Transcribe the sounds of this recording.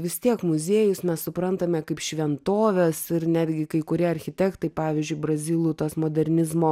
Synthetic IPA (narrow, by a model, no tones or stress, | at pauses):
ʋʲɪst̪ʲiɛkmʊzʲeːjʊsmʲɛssʊpɾɐnt̪ɐmʲɛkɐɪpʃʲʋʲɛnt̪oːʋʲɛsɪrnʲæːd̪ʲɡʲɪkɐɪkʊɾʲiɛɐɾʲxʲɪt̪ʲɛkt̪ɐɪpɑːʋʲɪzʲd͡ʒʲʊɪbɾɐzʲɪːlˠʊːt̪oːsmoːd̪ʲɛɾʲnʲɪzmoː